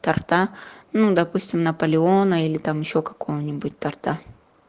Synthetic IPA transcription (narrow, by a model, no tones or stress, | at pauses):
t̪ɐrt̪anud̪ɐpusʲtʲɪmnɐpəlʲɪonəilʲɪt̪amɪɕːokɐ̥kojənʲɪbʊt̚ʲt̪ɐrt̪a